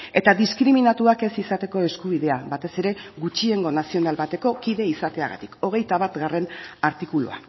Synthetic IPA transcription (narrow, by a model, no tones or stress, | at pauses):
e̞t̪aðiskɾiminat̪uake̞sisat̪e̞ko̞e̞skuβ̞iðe̞aβat̪e̞se̞ɾe̞ɡut͡ʃie̞ŋɡo̞nasio̞nalβat̪e̞ko̞kiðe̞isat̪e̞aɣa̰t̪i̥ko̞ɣ̞e̞jt̪aβat̪ɡare̞naɾt̪ikulṵa̰